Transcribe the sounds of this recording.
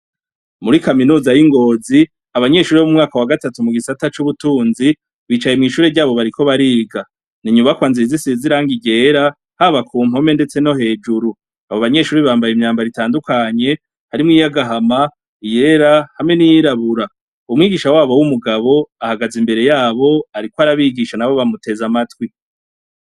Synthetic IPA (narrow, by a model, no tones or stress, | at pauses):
muɾikaminuːzajiŋɡo̞ːzi | aβaɲe̞ʃuːɾiβomumŋaːkawaɡatatumuɡisatat͡ʃuβutuːnzi | βiːt͡ʃaje̞mŋiːʃuːɾeɾɟaːβo̞βaɾiko̞βaɾiːɡa | niɲuβakwaːnziizisiiziɾaːŋɡiɟe̞ːɾa | haβakʰuːm̥ɦo̞me̞nde̞t͡se̞no̞ɦe̞ːd͡ʒuɾu | aβoβaɲe̞ʃuːɾiβaːmbajimɲaːmbaɾitaːndukaɲe̞ | haɾimŋiːjaɡaɦama | ije̞ɾahamŋe̞nijiɾaβuɾa | umŋiːɡiʃawaːβowumuɡaβo̞ahaɡazimbe̞ɾe̞jaːβo̞aɾikoaɾaβiːɡiʃanaβo̞βamute̞zamatwi